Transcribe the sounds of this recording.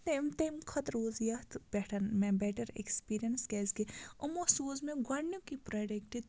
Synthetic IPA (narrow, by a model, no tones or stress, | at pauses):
t̪emt̪eːmkʰɐt̪ɾoːzijat̪bɛʈʰɐmẽbɛːʈɐɾḛkspiːɾijənsɡɛːzɡeɐmosuːzmẽɡɐɳːjõkipɾaːɖekʈi